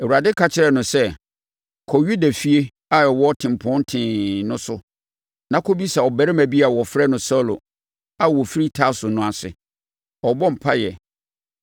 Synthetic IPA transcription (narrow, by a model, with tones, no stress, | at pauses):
ɛ˨wu˨ɾa˨dɪ˦kʰa˦t͡ɕʰɪ˦ɾɛ˦nʊ̃˨sɛ˦ | kʰɔ˨ɥu˦da˨fi˦e˦ | a˦ɛ˨wɔ˦tʰɪ̃˨m˨pʰɔ̃˦n˦tʰɪ̃˨nʊ̃˦sʊ˦ | nã˨kʰo˦bi˦sa˨ɔ˨bæ˦ɾɪ˦mæ̃˨bi˦a˨wɔ˨fɾɛ˦nʊ̃˨sɔ˦lo̰˨ | a˦˨wɔ˨fi˦ɾi˦tʰa˦sʊ˨nʊ̃˦a˨sɪ̰˨ | ɔ˨bɔ̃˦m̩˨pʰa˦jɛ˨